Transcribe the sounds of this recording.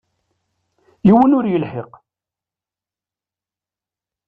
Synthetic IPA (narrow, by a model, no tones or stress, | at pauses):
jiwənʊɾjəlħeq